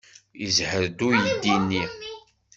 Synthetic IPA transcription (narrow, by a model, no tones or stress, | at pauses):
izhəɾd̪ujəd̪ːinːi